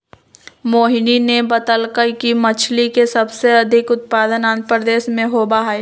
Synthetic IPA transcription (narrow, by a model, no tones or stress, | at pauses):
moːɦɪninebɐt̪əlkəjkimɐt͡ʃʰlikesɐbseɐd̪ʱɪkʊt̪̚paːd̪ənãːn̚pɾəd̪eːʃmẽɦoːbaɦaeː